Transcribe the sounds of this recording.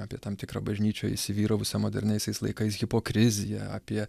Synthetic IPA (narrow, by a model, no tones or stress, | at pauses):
ɑːpʲiɛt̪ɐmt̪ʲɪkɾɐ̰ːbɐʒʲnʲiːt͡ʃʲoːɪ̰ʃʲsʲɪʋʲiːɾoːʋʲɪsʲɐːmoːd̪ʲɛ̰ɾʲnʲɛɪsʲɛɪslˠɐ̰ɪkɐɪsɣʲɪpoːkɾʲɪzʲɪjɛ̰ɐ̰pʲiɛ